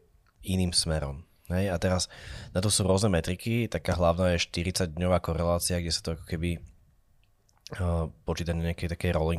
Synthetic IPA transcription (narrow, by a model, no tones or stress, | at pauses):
ʔiniːmsmɛɾɔ̰m | ɦɛjat̪ɛɾasnat̪ɔsuːɾʊɔznɛmɛt̪ɾikit̪akaːɦlaʊnaːjɛʃt̪iɾit͡saɟd̪ɲɔʋaːkɔɾɛlaːt͡siaɡɟɛsḁt̪ɔakɔ̥kɛbi | pɔt͡ʃiːt̪aɲɛakɛjt̪akɛjɾɔliŋ